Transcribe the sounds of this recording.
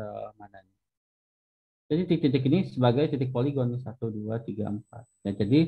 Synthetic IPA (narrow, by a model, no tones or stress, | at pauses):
əmanaɲa | d͡ʒadit̪ik̚t̪it̪ɪk̬inisəbaɡajt̪it̪ɪk̚poliɡɔnsat̪uduat̪iɡa̰əmpa̰t̪̚jad͡ʒadi